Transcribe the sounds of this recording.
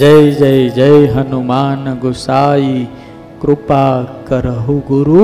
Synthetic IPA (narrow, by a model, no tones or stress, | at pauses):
d͡ʒɐjd͡ʒɐjd͡ʒɐjɦɐnumaːnɡʊsaːi | kɾʊpaːkɐɾəɦuɡuɾu